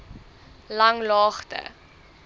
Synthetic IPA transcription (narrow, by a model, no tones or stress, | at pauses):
lɐŋlɑːχtə̰